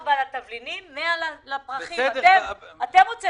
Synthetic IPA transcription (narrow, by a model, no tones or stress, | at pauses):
valat̪avlinimːealalapʁaχiad̪teat̪emʁot͡se